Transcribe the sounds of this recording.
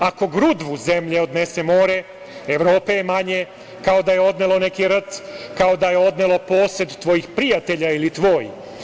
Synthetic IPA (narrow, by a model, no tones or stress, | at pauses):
ako̞ɡɾud̪ʋuze̞mʎeo̞d̪ne̞se̞mo̞ːɾe̞ | eʋɾo̞ːpe̞jemaɲe | kao̞d̪ajeo̞d̪nelˠo̞ne̞kiɾ̩t̪kao̞d̪aje̞o̞d̪ne̞lo̞po̞ːse̞d̪t̪ʋo̞jixpɾijat̪e̞ʎailit̪ʋo̞ːjḭ